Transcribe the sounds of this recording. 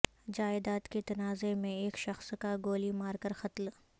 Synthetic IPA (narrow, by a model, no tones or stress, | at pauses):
d͡ʒaːɪd̪aːt̪ket̪ɐnaːzemẽeːkʃɐxskaɡoːlimaːɾkɐɾxɐt̪l